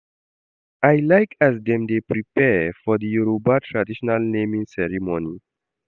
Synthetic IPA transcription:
ajlajkʰæzd̪ɛ̃md̪epɾipɛfɔd̪əjuɾobatʰɾadiʃɔnalnẽmĩŋsɛɾimõni

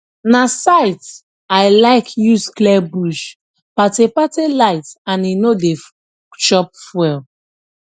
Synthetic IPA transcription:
nasaɪt | aɪlaɪkʰjusklɛbuʃ | patepatelaɪtãninodef | ʃɔp̚fwɛl

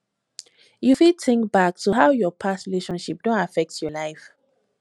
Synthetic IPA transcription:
jufitʰɪ̃ŋkbak̚tʰuɦawjɔpʰasɹileʃɔ̃nʃip̚d̥ɔ̃ntafɛk̚tjɔlaɪf

